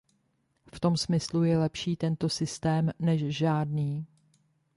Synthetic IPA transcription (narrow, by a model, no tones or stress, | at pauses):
ft̪o̞msmɪslujɛlɛpʃiːt̪ɛnt̪o̞sɪst̪ɛːmnɛʃʒaːdniː